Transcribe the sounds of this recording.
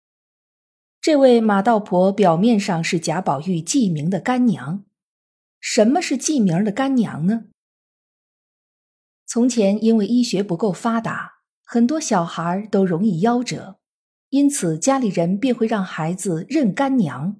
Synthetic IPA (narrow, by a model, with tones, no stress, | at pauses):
ʈ͡ʂɤ˥˧we˥˩ɪma˨˩t̪ɑ˥˩ʊpʰwɔ˧˥pjɑ˨˩ʊmjɛ˥˧nʂɑ˥˧ŋʂɻ̩˥˩t͡ɕja˧˥pɑ˨˩ʊy˥˧t͡ɕi˥˩mi˧˥ŋd̪ə˧ka˥nnjɑ̰˧˥ŋ | ʂə˧˥nmə˧ʂɻ̩˥˧t͡ɕi˥˩mji˧˥d̪ə˧ka˥nnjɑ̰˧˥ŋnə˧ | t͡sʰʊ˧˥ŋt͡ɕʰjɛ˧˥ni˥nwe˥˩ɪi˥˩ɕɥɛ˧˥pu˧˥ko˥˩ʊfa˥t̪a̰˧˥ | xə˨˩nt̪wɔ˥ɕjɑ˨˩ʊxa˧˥t̪o˥ʊɻʊ˧˥ŋi˥˩jɑ˥ʊʈ͡ʂɤ̰˨˩˦ | i˥nt͡sʰɹ̩˨˩t͡ɕja˥li˨˩ɻə˧˥npjɛ˥˧nxwe˥˧ɪɻɑ˥˩ŋxa˧˥ɪd͡zɹ̩˧ɻə˥˩nka˥nnjɑ̰˧˥ŋ